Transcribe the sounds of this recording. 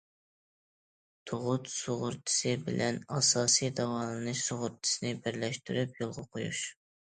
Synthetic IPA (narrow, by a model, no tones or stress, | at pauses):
t̪ʰoʁʊt̪soʁʊɾt̪ʰɨ̥sɨbɪlʔɛnɑsɑːsijd̪ɑwɑːlˠɨnɨʃsoʁʊɾt̪ʰɨ̥sɨnɪbɪɾlɛʃt̪yɾypjolˠʁɑqʰojṵʃ